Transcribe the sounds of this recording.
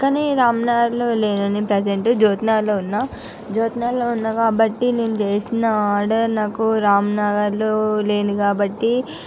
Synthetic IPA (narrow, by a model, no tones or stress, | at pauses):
kːɐneːɾaːmɐnaːɡɐɾloːle̞ːnɐnipɾed͡ʒeɳʈud͡ʒoːt̪naːloːunːa | d͡ʒoːt̪naːloːunːɐkaːbɐʈːine̞ːnut͡ʃe̞ːsinɐaːɾɖɐɾnaːkuɾaːmnaːɡɐɾloːle̞ːnukaːbɐʈːi